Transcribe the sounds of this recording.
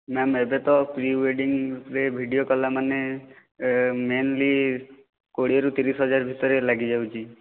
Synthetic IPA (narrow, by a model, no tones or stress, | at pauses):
mamebet̪ɔpɾiweɖiŋpɾebʱiɖijokɔlamane | menli | koɽieɾut̪iɾisɦɔd͡ʒaɾbʱit̪ɔɾelaɡid͡ʒawt͡ʃʰi